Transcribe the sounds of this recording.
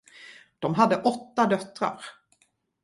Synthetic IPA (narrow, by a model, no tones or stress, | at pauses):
d̪̥ɔmɦad̪ːəʔɔt̪ːad̪œt̪ːɾa̰ɾ